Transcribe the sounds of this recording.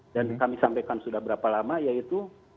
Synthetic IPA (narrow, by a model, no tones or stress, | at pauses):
dankamisampajkansudahbəɾapalamajait̪u